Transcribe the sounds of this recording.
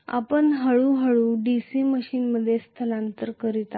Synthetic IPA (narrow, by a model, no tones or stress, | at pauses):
a̰pəɳɦəɭuːɦəɭuːɖisiːməɕiːnməd̪ʱːjest̪ʰəlãnt̪əɾkəɾit̪a